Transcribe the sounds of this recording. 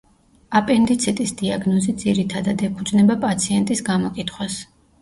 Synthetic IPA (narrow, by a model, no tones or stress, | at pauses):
apʼɛnd̪it̪sʰit̪ʼisd̪iaɡnɔzid̪ziɾit̪ʰad̪ad̪ɛpʰud̪znɛbapʼat̪sʰiɛnt̪ʼisɡamɔkʼit̪ʰχwas